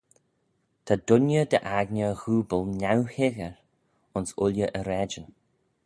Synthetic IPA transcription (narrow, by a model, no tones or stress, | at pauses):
t̪ʰad̪ʊnjəd̪əʔaɡnəɣuːbəlˠnawhɪɣəɹ | ʊnsʊlʲjəʔəɾɛd͡ʒən